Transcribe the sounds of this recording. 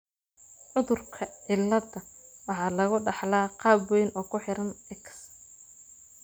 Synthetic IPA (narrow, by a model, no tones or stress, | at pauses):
ʕʊðʊrkʰɐʕɪlːɐdɐwɑħɑːlɐɣʊɖɑħlaːqɑːbɔjnɔːkʰʊħɪɾɐnɛkʰɐ̥s